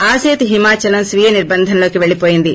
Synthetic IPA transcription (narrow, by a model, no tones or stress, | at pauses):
aːseːt̪ɦimaːt͡ʃɐlɐmsʋijɐniɾbɐnd̪ʱɐnɐloːkiʋe̞ɭːipo̞ːjind̪i